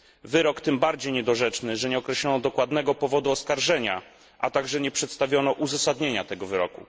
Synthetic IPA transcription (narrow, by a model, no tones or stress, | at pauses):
vɘɾɔkt̪ɘmbaɾd͡ʑejɲɛd̪ɔʐɛt͡ʂnɘʐɛɲɛɔkɾɛɕlɔnɔd̪ɔkwad̪nɛɡɔpɔvɔd̪uɔskaɾʐɛɲa | ʔat̪aɡʐɛɲɛpʂɛt̪st̪avʲjɔnɔʔuzasad̪ɲeɲat̪ɛɡɔvɘɾɔkṵ